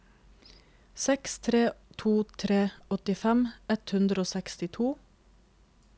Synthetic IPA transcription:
sɛkst̪ʰɾeːt̪ʰuːt̪ʰɾeːɔt̪ɪfɛmɛt̪hʉnd̪ɾəoːsɛkst̪ɪt̪ʰuː

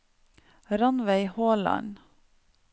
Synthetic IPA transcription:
ɾɑnʋæɪhoːlɑ̰n

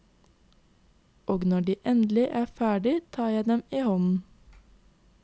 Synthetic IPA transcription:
ʔoːɡnɔɖiːʔɛnd̪lɪʔæːfæːɖɪt̪ʰɑːjæɪd̪ɛmiːhɔnn̩

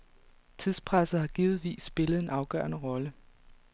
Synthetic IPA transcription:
t͡sʰiðˠspʰʁasð̩ˠhɑ̈ɡ̥iːð̩ˠʋḭːsːb̥e̝ləð̩ˠe̝nɑ̈ʊɡ̥ɶ̰ːɐnəʁɒ̽lə

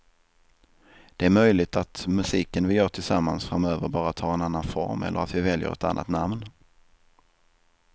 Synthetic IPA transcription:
d̪̥ɛæɾmœjlɪt̪at̪mɵsiːkənvɪjœːʈʰɪlsamːansfɾamøːvəɾbɑːɾat̪ʰːɑːɾɛnanːanfɔ̰ɾmɛ̰lːə̰ɾat̪vɪvɛljə̰ɾɛ̰t̪a̰nːʔa̰t̪namn

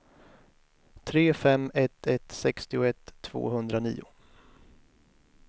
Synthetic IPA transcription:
t̪ʰɾeːfɛmɛt̪ʰɛt̪sɛkst̪ɪʊɛt̪ʰːv̥o̰ːɦɵnd̪ɾanḭːʊ

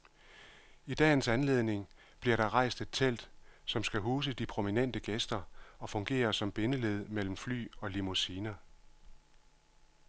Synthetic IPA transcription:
id̥ɛ̰ːn̩sænle̝ð̞ˠne̝ŋ | b̥liɐɾ̥ɑ̈ʁɑ̈ɪ̰sd̥e̝d̥̚t͡sʰel̰d̥sɒ̽msɡ̥æɦuːs̬əd̥ipʰʁo̝minen̰d̥əɡ̥esd̥ɐɒ̽fɔ̽ŋɡ̥e̝̰ːɐsɒ̽mb̥e̝nəle̝ð̞ˠmel̰m̩fly̰ːɒ̽limusiːnɐ

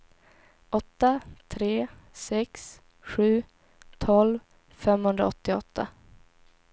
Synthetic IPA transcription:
ʔɔt̪ːat̪ʰɾeːsɛks | ɧʉ̟ː | t̪ʰɔlv | fɛmhɵnd̪ɾa̰ɔt̪ːɪɔt̪ːa

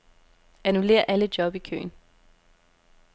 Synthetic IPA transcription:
ænule̝̰ːɐʔæləd̥jɒ̽b̥ikʰø̰ːn

